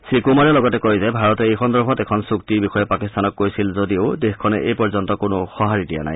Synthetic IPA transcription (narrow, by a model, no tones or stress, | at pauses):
sɹikumaɹɛlɔɡɔtɛkojzɛbʱaɹɔtɔejkʰɔndɔɹbʰʱɔtɛkʰɔnsuktibixɔjɛpakistanɔkːojsilzodioʊdexkʰːɔnɛʔejpɔɹzɔntɔkʊnʊxɔɦaɹidija̰na̰j